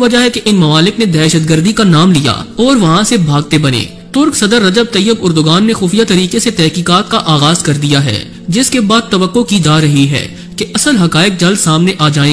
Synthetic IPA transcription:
ʋɐd͡ʒaɦɛkeʔɪnmɐmaːlɪkned̪ɛːʃət̪ɡəɾd̪ikanaːmlija̰ːɔːɾʋɐɦãsebʱaːɡ̚t̪ebɐnḛː | t̪ʊɾksɐd̪əɾːɐd͡ʒəb̚t̪ɐjːəbʊɾd̪ʊɡaːnːexuːfijat̪ɐɾiːkeset̪ɛɦkiːkaːt̪kaʔaːɣaːzkɐɾd̪ijaɦɛ̰ː | d͡ʒɪskebaːd̪̚t̪ːɐʋəqːokid͡ʒaːɾɐɦiɦɛ̰ː | keʔɐsəlɦɐkaːɪk̚d͡ʒɐlsaːmneʔaːd͡ʒaːẽː

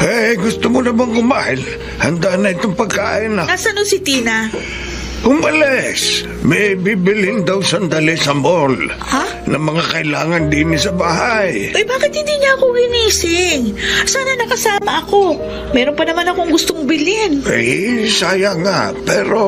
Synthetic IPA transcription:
ʔɛɡʊst̪omonɐmaŋkʊmaːhɪl | hɐnd̪anɐʔɪt̪oŋpɐɡ̚kaːʔɪnɐnasɐnosɪt̪iːnɐ | ʔʊmɐlɛs | mɐjbibɪlɪnd̪awsɐnd̪alɪsɐmol | a | nɐmɐŋakɐʔɪlaːŋɐnd̪iːmɪsɐbaːɦajʔojbaːkɪt̪hɪnd̪iːɲaʔɐkoɡɪniːsɪŋsaːnɐnɐkɐsaːmɐʔɐko̞ | mɛːɾonpɐnɐmanɐko̞ŋɡʊst̪oŋbɪlɪnʔɛ̰jsaːjaŋapɛːɾo

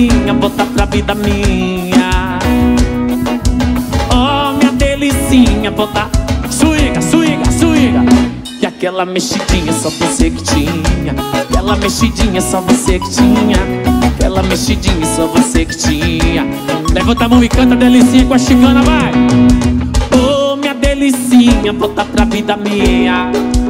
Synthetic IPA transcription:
ɲɐvot̪apɾɐvid̪ɐmĩɲɐ | ɔmĩɲɐd̪elisĩɲɐvot̪asuɡɐsuiɡɐsuɡɐ | kɪakɛlɐmeʃid͡ʒĩɲɐsɔvosekɪ̥t͡ʃiɲɐakɛlɐmeʃid͡ʒĩɲɐsɔvosekɪ̥t͡ʃĩɲɐakɛlɐmeʃid͡ʒĩɲɐsɔvosekɪ̥t͡ʃĩɲɐ | levot̪amɐ̃w̃ɪkɐ̃t̪ɐd̪elisĩɲɐkwaʃiɡɐ̃nɐba | omĩɲɐd̪elisĩɲɐvot̪apɾavid̪ɐmiɲɐ

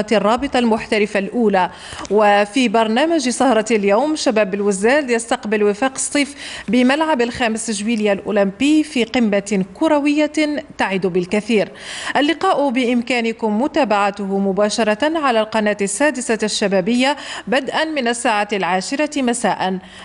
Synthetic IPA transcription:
t̪ɑrˤːɑːbɨt̪ˤɑlmʊħt̪alɪfalʔuːlaː | wafibɑɾˤnaːmaʒsˤɑhɾˤɑljawmʃabaːbɪlwɪzːaːljast̪ɑqbɪlwɪfaːqsˤːiːfbɪmalʕabalxaːmɪsʒwiːljalʔṵlɪmpiːfiːqɪmːakʊɾˤawɪjːat̪aʕid̪ubɪlkaθiːɾʔalːɪqɑːʔʊbɪʔɪmkaːnɪkʊmːʊt̪aːbaʕat̪ʊhʊmʊbaːʃɑɾˤɑʕalalqɑnaːt̪asːaːd̪ɪsaʃːabaːbɪjːabad̪ʔanmɪnasːaːʕalʕaːʃɪɾɑmasaːʔan

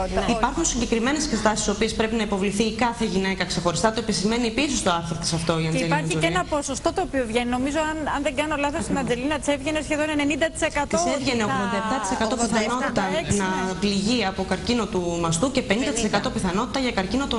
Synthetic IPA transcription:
ipɐɾxunsiɲɟe̞kɾime̞nesekset̪ɐsiso̞pie̞spɾe̞pinɐipo̞vliθikɐθe̞ʝine̞kɐkse̞xo̞ɾist̪ɐt̪oe̞pisime̞niepisist̪oɐθeɾt̪i̥sɐft̪o̞iɐnzeliɾɐizoeinɐpo̞so̞st̪o̞t̪oːpiovʝenino̞mizoɐnɐnðeɡɐnolɐθosst̪inɐnd͡zelinɐt̪i̥sevʝenesçe̞ðone̞nenind̪ɐt̪i̥sekɐt̪t̪osevʝeneoɣðond̪ɐep̚t̪ɐt̪i̥se̞kɐt̪o̞piθɐno̞t̪it̪ɐnɐpliʝiɐpo̞kɐɾcino̞t̪umɐst̪uce̞penind̪ɐt̪isekɐt̪o̞piθɐno̞t̪i̥t̪ɐʝɐkɐɾcino̞t̪o

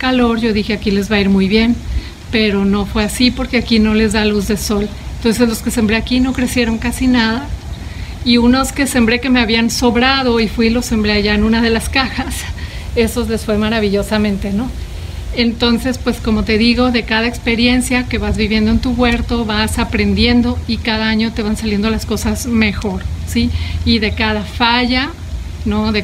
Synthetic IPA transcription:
kalo̞ɾʝo̞ðixe̞akile̞zβaiɾmujβje̞n | pe̞ɾo̞no̞fwe̞asipo̞ɾke̞akino̞le̞zðaluzðe̞so̞lent̪o̞ns̬e̞zlo̞ske̞se̞mbɾe̞akino̞kɾe̞sje̞ɾo̞ŋkasinaða | iuno̞ske̞se̞mbɾe̞ke̞me̞aβianso̞βɾað̞o̞ifwilo̞se̞mbɾeaʝaenũnað̞e̞laskaxas | e̞so̞zle̞sfwe̞zmaɾaβ̞iʝo̞samẽ̞nt̪e̞no̞ | ent̪o̞nse̞spwe̞sko̞mo̞t̪e̞ðiɣo̞ðe̞kað̞ae̞kspe̞ɾje̞nsjake̞βazβiβje̞nd̪oent̪uɣwe̞ɾt̪o̞βasapɾe̞nd̪je̞nd̪o̞ikaðaaɲo̞t̪e̞βansalje̞nd̪o̞lasko̞sazme̞xo̞ɾsiːðe̞kaðafaʝa | no̞ðe

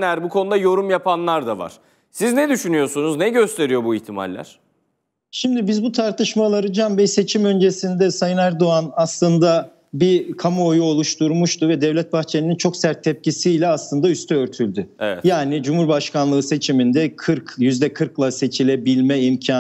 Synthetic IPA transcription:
næɾbukʰo̞nud̪ajo̞ɾumjapanlˠaɾd̪ava̰ɾ̥ | siznɛd̪yʃynyjo̞sunuznɛɟø̞st̪ʰe̞ɾijo̞buiçt̪ʰima̰lʲːæ̰ɾ̥ | ʃimd̪ibizbut̪ʰaɾt̪ʰɯʃmalˠaɾɯd͡ʒanbɛjse̞t͡ʃʰimø̞nd͡ʒe̞sind̪ɛsajɯnæɾd̪oanaslˠɯnd̪a | bikʰamuojuo̞lˠuʃt̪ʰuɾmuʃt̪ʰuvɛd̪ɛvlʲɛt̪̚baxt͡ʃʰeinint͡ʃʰo̞ksæɾt̪ʰːɛp̚cisijlʲɛaslˠɯnd̪ayst̪ʰɛøɾt̪ʰylʲd̪yevɛ̰jaːnid͡ʒumuɾbaʃkanlˠɯɯse̞t͡ʃʰimind̪ɛkʰɯɾkjyzd̪ɛkʰɯɾklˠase̞t͡ʃʰilʲebilʲmɛimcʰa

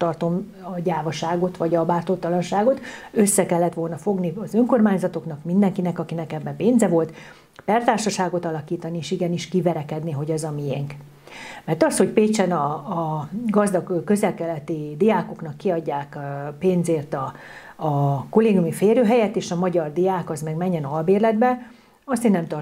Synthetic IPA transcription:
t̪ɒrt̪o̞m | ɒɟaːvɒʃaːɡo̞t̪ʋɒɟɒbaːrt̪oːt̪ːɒlɒnʃaːɡo̞t̪ø̞sːɛkɛlːɛt̪ʋo̞lnɒfo̞ɡniɒzø̞ŋko̞rmaːɲzɒt̪o̞knɒkmind̪ɛŋkinɛkɒkinɛkɛbːɛpeːnzɛvo̞lt̪ | pɛrt̪aːrʃɒʃaːɡo̞t̪ɒlɒkiːt̪ɒnieːʃiɡɛniʃkivɛɾɛkɛd̪niɦo̞ɟɛzɒmijɛŋk | mɛrt̪ɒsho̞cpeːt͡ʃɛnɒː | ɡɒzd̪ɒɡkːø̞zɛlkɛlɛt̪id̪ijaːko̞knɒkːiɒɟːaːkpeːnzeːrt̪ɒː | koleːɡjumifeːɾøːɦɛjɛt̪eːʃɒmɒɟɒrd̪ijaːkɒzmɛɡmɛɲːɛnɒlbeːrlɛd̪bɛ | ɒst̪eːnnɛmt̪ɒr

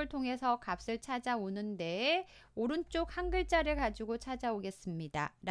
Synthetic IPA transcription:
ɯɭtʰoŋɦe̞sʰʌkap̚s͈ɯɭt͡ɕʰad͡ʑaonɯnde̞ː | oɾɯnt͡ɕ͈ok̚haŋɡɯɭt͡ɕ͈aɾɯɭkad͡ʑiɡot͡ɕʰad͡ʑaoɡe̞s͈ɯmɲida̰ɾ

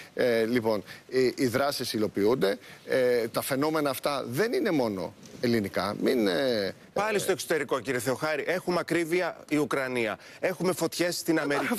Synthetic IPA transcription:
lipo̞nʔiðɾɐsisilo̞piund̪e̞ | t̪ɐfe̞no̞me̞nɐːft̪ɐðe̞nine̞mo̞no̞̰e̞linikɐ̰min | pɐlist̪o̞ekso̞t̪e̞ɾiko̞ciɾie̞θe̞oxɐɾiʔe̞xumɐkɾiviɐiukɾɐniɐe̞xume̞fo̞t̪çe̞sːt̪inɐmeɾ

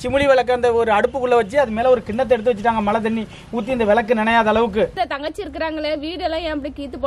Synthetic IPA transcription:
t͡ʃɪmɯɻiʋɛɭɐkːɐːnd̪ɐɔɾɯɐɽɯpːɯkːʊɭːɐʋɐt͡ʃːɯɐðɯmeːlɛɔɾɯkɪɳːɐt̪ːɛɽɯt̪ːɯʋɐt͡ʃːɪʈːaːŋɡɐmɐlɐt̪ɪɳːi | uːt̪̬ːiɪnd̪ɐʋɛɭɐkːɯnɪnɐjaːðɐɭɐʋɯk̬ːɯɐt̪ɐŋɡɐt͡ʃːiɪɾɯkːɪɾaːŋɡɐɭeʋiːɽɛlːãjãːɐpːɐɽikiːt̪ːɯpːoː

